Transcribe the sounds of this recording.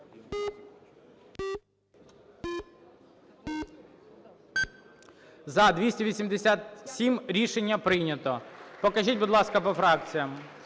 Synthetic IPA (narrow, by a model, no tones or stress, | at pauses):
zɐd̪ʋʲisʲtʲiʋʲisʲimd̪esʲat̪sʲimɾʲiʃenʲːɐpɾɪnʲɐt̪ɔpɔkɐʒit̚ʲbud̪lˠɑskɐpɔfɾɑk̚t͡sʲijɐm